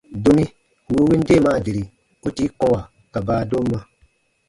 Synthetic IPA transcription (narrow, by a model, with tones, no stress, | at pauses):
do˦mĩ˦ | wu˦wi˦n˦deː˦˨maː˨˦˨de˨ɾi˨ | u˦ti˦kɔ̃˦wa˨ | ka˨baː˨˦do˦mː˦ã˦